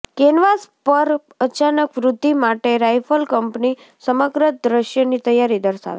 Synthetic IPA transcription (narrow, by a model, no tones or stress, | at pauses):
kenʋaspəɾ | ət͡ʃanəkʋɾʊd̪ʱːimaʈeɾajfʰəlkəmpni | səməɡɾəd̪ɾəʃjənit̪əjaɾid̪əɾʃa̰ʋḛ